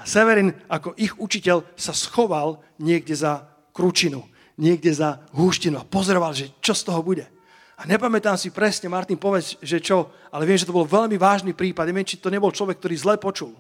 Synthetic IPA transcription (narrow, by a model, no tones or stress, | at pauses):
asɛʋɛɾiːnakɔʔixut͡ʃicɛʎsasxɔʋal | ɲɪɛɡɟɛza | kɾut͡ʃinu | ɲɪɛɡɟɛzaɦuʃcinuapɔzɔɾɔʋalʒɛt͡ʃɔst̪ɔɦɔbuɟɛ | aɲɛpamɛt̪aːmsipɾɛsɲɛmaɾt̪inpɔʋɛzʒɛt͡ʃɔalɛʋɪɛmʒɛt̪ɔbɔlʋɛʎmiʋaːʒniːpɾiːpad̪̚ɲɛʋɪɛmt͡ʃit̪ɔɲɛbɔlt͡ʃlɔʋɛk̚ːt̪ɔɾiːzlɛpɔt͡ʃul